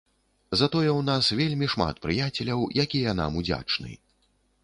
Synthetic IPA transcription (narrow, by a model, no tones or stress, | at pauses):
zɐt̪ɔjɛwnasvʲelʲmʲiʂma̰t̪pɾɨjat͡sʲɛlʲɐwjakʲijɐna̰mud͡zʲa̰t͡ʂnɨ̰